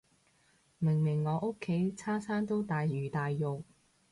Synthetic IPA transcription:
mɪ˨˩ŋmɪ˨˩ŋːɔː˨˧ʔʊ˥kʰːe˨˥jt͡sʰaː˥saː˥nt̪o˥wt̪aː˨jɥyː˨˩t̪aː˨jjʊ˨k̚

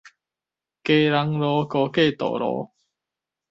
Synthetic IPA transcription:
ke˧˦ɾa˧˦ŋlɔ˧˦kɔ˧ke˥˧˨t̪ɔ̰˨lɔ̰˧˦

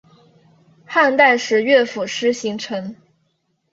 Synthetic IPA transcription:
xa˥˧nt̪a˥˩ɪʂɻ̩˧˥ɥɛ˥˩fu˨˩ʂɻ̩˥ɕi˧˥ŋʈ͡ʂʰɤ˧˥ŋ

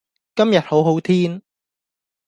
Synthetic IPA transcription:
kɐ˥mjɐ˨t̚ho˨˥wɦo˨˥wt̪ʰiː˥n

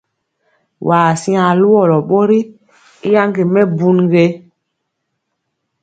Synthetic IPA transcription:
waː˨sĩ˦a˨lu˦wɔ˦˨lɔ˨ɓo˦ɾi˦ | i˦ja˦ŋɡe˨mɛ˦bu˦nɡe˦

